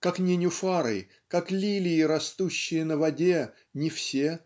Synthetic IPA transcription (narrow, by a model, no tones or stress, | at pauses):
kaknʲɪnʲʊfaɾɨ̰j | kaklʲilʲɪɪɾɐst̪uɕːɪjənəvɐdʲe | nʲɪfsʲe